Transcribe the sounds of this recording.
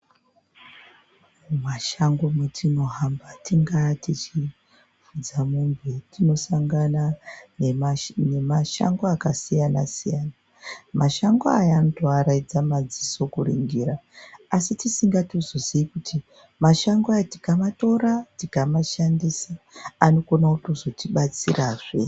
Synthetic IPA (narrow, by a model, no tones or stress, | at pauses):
maʃaŋɡometʰino̞ɦambatiŋɡatit͡ʃi | vud͡zamumbetino̞saŋɡana | ne̞maʃa̰ŋɡoakasijana̰sijana | maʃaŋɡoajaanotoaɾaid͡zamad͡ziso̞kuriŋɡiɾaːsitisiŋɡatozo̞ziikutʰi | maʃaŋɡoati̥kamato̞ɾatikamaʃandisaano̞konautozo̞tiɓat͡siraʐḛ